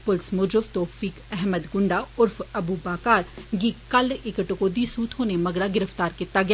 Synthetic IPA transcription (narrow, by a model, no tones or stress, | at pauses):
pʊlsmʊd͡ʒʊft̪oːfiːkɛɦməd̪ɡʊɳɖaʊɾfɐbubaːkaːɾɡikɐlɪkəʈkoːd̪isũːt̪ʰɦoːnemɐɡɽaɡɪɾəft̪aːɾket̪ːaɡɪ